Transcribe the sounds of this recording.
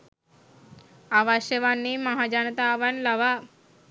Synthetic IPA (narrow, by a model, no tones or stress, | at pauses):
aʋaɕjəʋanːiːmɐɦad͡ʒant̪aːʋanlɐʋa